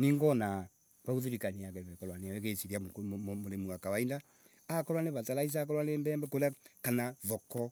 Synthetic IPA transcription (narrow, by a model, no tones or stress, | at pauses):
niŋɡɔna | βaɣuðuɾikaniakɛβɛkɔlwanewɛkesiɾiakmmoɾemuakawainda | akɔlwaneβatalais̬ak̬ɔɾwanembɛːmbɛkoɾeakanaðɔkɔ